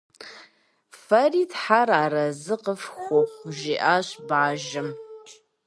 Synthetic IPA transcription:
fɐriːtħaɾaːɾɐzɨqəfxʷɔχʷʊʒiːʔaːɕbʕaːʒɐm

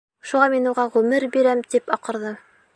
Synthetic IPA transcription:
ʃuʁɑminuʁɑʁʉmɘɾbiɾæmt̪ipɑqɤ̆ɾðɤ

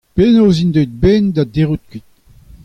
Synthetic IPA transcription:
penoːzind̪œt̪̚bend̪ad̪eʁut̪̚kwit̪̚

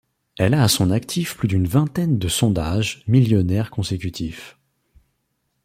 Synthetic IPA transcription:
ɛlaːsɔ̃nakt̪ʰifplyd̪ynvɛ̃t̪ɛnd̪əsɔ̃d̪aʒmiljɔnɛʁkɔ̃sekʲyt̪ʰif

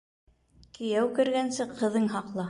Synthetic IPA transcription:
kɘ̆jæwkɘ̆ɾɡænsɘqʰɤ̆ðɤŋɦɑqlˠɑ

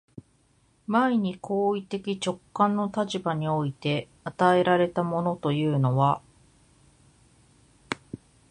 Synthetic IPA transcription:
maiɲ̟ikʰo̞ːit̪e̞kʲit͡ɕo̞kːãnːo̞t̪at͡ɕibaɲ̟io̞it̪e̞ | at̪ae̞ɾaɾe̞t̪amo̞no̞t̪o̞jɯ̟ːno̞βa

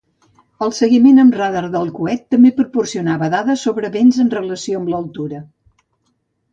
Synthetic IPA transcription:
əlˠsəɣimenəmraðarðəlˠkuɛt̪ːəmbepɾupursiunaβəðaðəsoβɾəβenzənrələsioəmbləlˠt̪uɾə

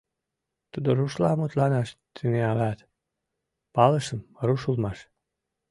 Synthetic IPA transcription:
t̪ud̪oɾuʃlɑmut̪lɑnɑʃt̪ʰəneɑlɑt̪ | pɑləʃəmruʃulmɑʃ

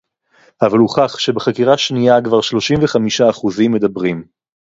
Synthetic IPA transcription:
avaluχaχʃe̞beχakiʁaʃnijakvaʁʃlo̞ʃimveχamiʃaːχuzimːed̪abʁim

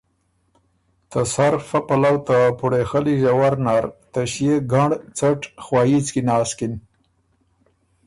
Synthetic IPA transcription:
t̪asaɾfapalawt̪apuɽexəliʒawaɾnaɾt̪aʃijeɡaɳɖt͡saʈxwɑjit͡skinɑːskin

